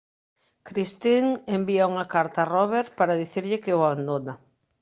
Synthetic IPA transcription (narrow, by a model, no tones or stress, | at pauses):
kɾist̪iŋembiauŋɐkaɾt̪arɔβ̞eɾpaɾaðiθiɾʎɪkɪoaβand̪ona